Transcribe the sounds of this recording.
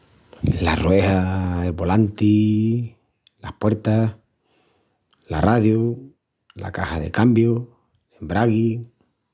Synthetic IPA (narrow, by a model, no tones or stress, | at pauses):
la̰rwe̞haelβo̞lant̪i | lahpweɾt̪ah | laraðju | la̰kahaðe̞̰kambjo | embɾaɣi